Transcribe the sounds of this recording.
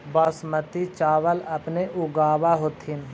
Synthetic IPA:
bɔsmət̪it͡ʃaːʋəlɐpneʔʊɡaːʋaɦot̪ɪn

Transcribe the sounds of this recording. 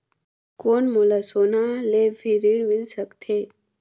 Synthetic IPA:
koːnmolasoːnalepʰiɾiɽʋɪlsəkt̪ʰeː

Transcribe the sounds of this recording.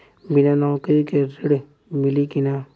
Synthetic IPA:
binãnɔkɾikeɾeɽ | mɪlikina

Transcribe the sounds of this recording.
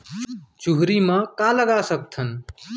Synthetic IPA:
t͡ʃuɦɾiːmãːkaːləɡaːsək̚t̪ʰən

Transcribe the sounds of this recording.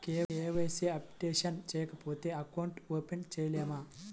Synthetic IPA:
keːeːʋɐjseɐpʈeːʂɐnt͡ʃɛːjɐkɐpoːt̪eːɐkɐwɳʈoːpent͡ʃejleːmaː

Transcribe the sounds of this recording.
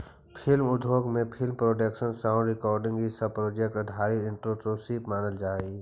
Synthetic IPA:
pʰɪlmʊd̪ʱoːɡmẽpʰɪlmpɾoːʈekʃənsãʊ̃ɳɖɾɪkɔːɾɖɪ̃ŋɡisəpɾoːd͡ʒek̚ʈəd̪ʱaːɾiɾɪ̃ɳʈɾososiːpmaːnəld͡ʒaːe

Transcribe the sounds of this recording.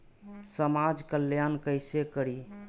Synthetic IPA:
səmad͡ʒkəljankəɪsekəɾi

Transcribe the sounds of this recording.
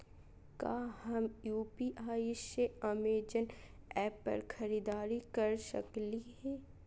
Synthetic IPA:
ka̰ːɦɐmjuːpiʔaːɪseɐmeːd͡ʒən | ɛːpːɐ̰ɾkʰɐɾiːd̪aːɾikɐɾsə̰kliɦɛː

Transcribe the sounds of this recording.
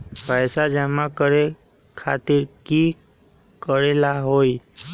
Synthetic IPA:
pəjsad͡ʒɛmakəɾe | kʰat̪ɪɾki | kəɾelaɦoi

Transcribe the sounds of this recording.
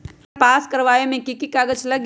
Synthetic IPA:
paːskɐɾʋaːemẽkikikaːɡət͡ʃlɐɡ

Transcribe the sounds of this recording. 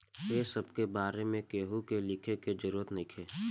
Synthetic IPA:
jeːsɐbkebaːɾemẽkeːɦukelɪkʰeked͡ʒəɾuːɾət̪nɪkʰeː

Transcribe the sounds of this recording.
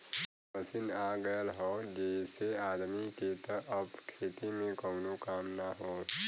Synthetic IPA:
məsinaɡəjəlɦɔːd͡ʒeseaːd̪miket̪ɔʔɐbkʰeːt̪imẽkəʊnokaːmnaɦoː

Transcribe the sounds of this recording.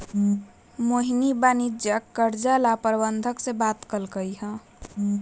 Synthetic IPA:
moɦinibanid͡ʒjəkːəɾd͡ʒalapəɾbənd̪ʱəksebat̪kəlkəiɦɛ̃

